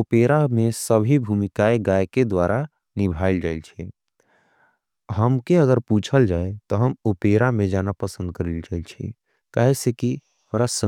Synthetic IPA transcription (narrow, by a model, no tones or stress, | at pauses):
opeɾamesəbʱibʱumikaeɡajked̪waɾʔa | nibʱaild͡ʒailt͡ʃʰɛ | ɦəmkeəɡəɾput͡ʃʰəld͡ʒaːet̪ɔɦəmopeɾamẽd͡ʒanapəsə̃nd̪̚kəɾild͡ʒaɪlt͡ʃʰḭ | kaɦeseki | oɾasə